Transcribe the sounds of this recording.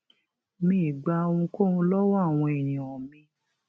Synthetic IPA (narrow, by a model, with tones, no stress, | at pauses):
mĩ˦i˨ɡ͡ba˧ũ˧ko˦˨ũ˧˦lɔ˦wa˦˨w̃ɔ̃˧e˨nĩ˨wɔ̃˨mĩ˧˦